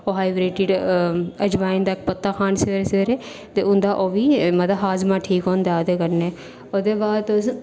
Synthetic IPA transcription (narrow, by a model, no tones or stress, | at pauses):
oːɦaːibɾeːʈɪɖəd͡ʒʋaːɪ̃nd̪aːɪkpət̪ːaːkʰaːnseɾeseɾeː | t̪eːʊnd̪aːʔoːʋiːmət̪əɦaːzmãːʈʰiːkɦõːnd̪aːod̪eːkəɾneː | oːd̪eːbaːd̪os